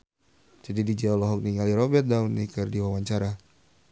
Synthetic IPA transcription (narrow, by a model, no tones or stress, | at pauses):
d͡ʒadidid͡ʒaɔlɔɦɔk̚niŋɡaliɾɔbɛt̪̚daunːikɨrdiwawaɲt͡ʃaɾa